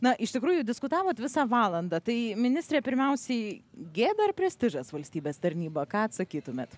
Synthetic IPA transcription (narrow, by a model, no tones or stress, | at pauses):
nɐʔɪʃt̪ʲɪkɾuːjʊd̪ʲɪskʊt̪ɑːʋoːt̪ʋʲɪsɑːʋɑːlˠɐnd̪ɑt̪ɐɪmʲɪnʲɪsʲt̪ʲɾʲeːpʲɪɾʲmʲɛʊsʲɛɪɡʲeːd̪ɐrpʲɾʲɛsʲt̪ʲɪʒɐsʋɐlʲsʲt̪ʲiːbʲeːst̪ɐɾʲnʲiːbɐkɑːɐt̪sɐkʲiːt̪ʊmʲeːt̪